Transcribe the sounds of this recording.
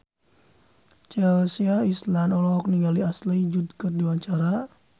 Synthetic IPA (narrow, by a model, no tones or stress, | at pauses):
t͡ʃɛlsiaislanɔlɔk̚niŋɡaliaslid͡ʒud̚kɨrdiwaɲt͡ʃaɾa